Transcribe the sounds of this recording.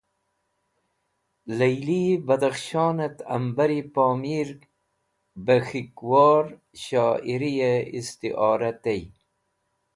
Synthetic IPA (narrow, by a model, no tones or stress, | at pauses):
lɐjlibɐd̪ɐxʃɑːnɐt̪ɐ̰mbɐɾipoːmiːɾ | bɐxikwɑːɾ | ɕɑːiɾijeist̪iʔɑːɾɐt̪ɐj